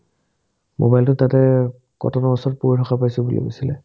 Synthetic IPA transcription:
mo̰bajltʊtatɛ | kɔ̰tʰɔnɔɔsɔt̚puɹitʰɔxapajsɔbulḭɡo̰silɛ

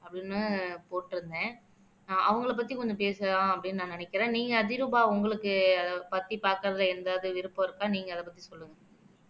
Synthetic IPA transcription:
ɐpːɐɽɪnːɯpoːʈːɪɾɯnd̪ẽː | ʔɐ̰ʋɐŋɡɐɭɐpːɐt̪ːikɔɲd͡ʒɔ̃p̬eːsɐlãːɐpːɐɽɪnːɯnãːnɐnɛkːɪɾẽːniːŋɡɐɐðɪɾɯbaːʊŋɡɐɭɯkːɯɐðpɐɾt̪ːipaːɾkɐɾɐðɐlɛnd̪aːðɯʋɪɾɯpːɔ̃ɪɾɯkːaːniːŋɡɐɐðɐpɐt̪ːisɔlːɯŋɡɐ

